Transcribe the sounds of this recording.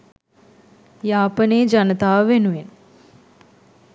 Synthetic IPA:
jaːpəneːd͡ʒanət̪aːʋəʋenuʋen

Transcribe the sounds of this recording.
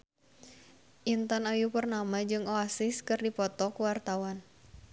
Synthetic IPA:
ʔint̪anajupərnamad͡ʒɨŋɔasɪskɨrdipɔt̪ɔkuwart̪awan

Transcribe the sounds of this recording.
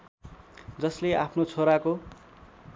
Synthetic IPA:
d͡zʌslea̰pʰnot͡sʰoɾako

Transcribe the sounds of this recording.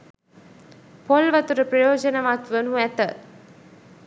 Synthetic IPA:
polʋɐt̪uɾəprɐjoːd͡ʒɐnɐʋat̪ʋənuæt̪ə

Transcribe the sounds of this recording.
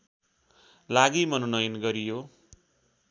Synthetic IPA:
laɡimʌnonʌjnɡʌɾijo

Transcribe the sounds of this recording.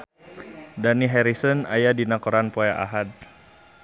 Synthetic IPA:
daniɦɛɾisɔna̰jadinakɔɾanpojaʔa̰ɦad̚

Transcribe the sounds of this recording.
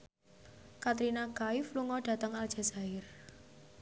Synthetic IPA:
kat̪ɾinaɡaɪfluŋɔɖ̥ä̤t̪əŋal̥ʒ̥a̤saɪr

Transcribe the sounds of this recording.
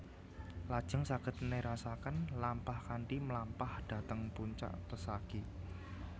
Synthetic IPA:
lad̥ʒ̥ə̤ŋsaɡ̥ə̤t̪neɾasakanlampahkaɳʈiməlampahd̥a̤t̪əŋpuɲt͡ʃa̰ʔpəsaɡ̥i

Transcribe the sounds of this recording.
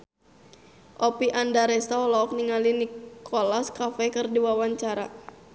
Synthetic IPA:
ʔɔpiʔandaɾɛst̪aɔlɔɔk̚niŋalinikʰolaskafɛkɨrdiwawaɲt͡ʃaɾa

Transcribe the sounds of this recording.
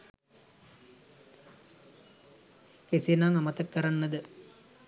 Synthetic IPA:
kesinaːŋɐmɐt̪ɐkːɐɾanːəd̪ə

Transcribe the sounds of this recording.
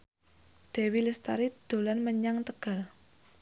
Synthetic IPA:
d̪̥e̤wiləst̪a̰ɾid̪̥o̤lanməɲaŋt̪əɡ̥a̤l

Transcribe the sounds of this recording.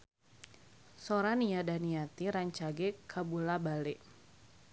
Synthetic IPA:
soɾaniadaniat̪iɾaɲt͡ʃaɡɛkʰabulabalɛʔ

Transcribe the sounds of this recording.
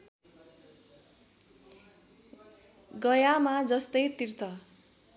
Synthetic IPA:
ɡʌjamad͡zʌst̪ʌjt̪irt̪ʰʌ

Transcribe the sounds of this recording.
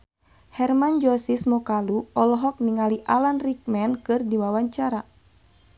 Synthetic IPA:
hɛrmand͡ʒɔsismɔkaluɔlɔɦɔk̚niŋaliʔalanrik̚mɛnkɨrdiwawaɲt͡ʃaɾa

